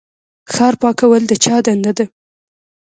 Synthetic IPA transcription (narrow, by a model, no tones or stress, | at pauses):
xɑɾpɑkawəld̪ət͡ʃɑd̪and̪ad̪ə